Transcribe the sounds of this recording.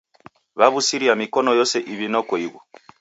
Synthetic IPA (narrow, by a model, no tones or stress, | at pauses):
βaβusiɾiamikɔnɔjɔsɛʔiβinɔkɔiβɔ